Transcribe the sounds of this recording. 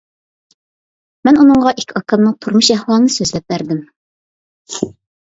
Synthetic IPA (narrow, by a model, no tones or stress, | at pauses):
mɛnunɨŋʁɑʔikʲʰɑkʰɑmnɨŋt̪ʰuɾmuʃɛhwɑlˠɨnɨsøzlɛp̚bæɾd̪ɪm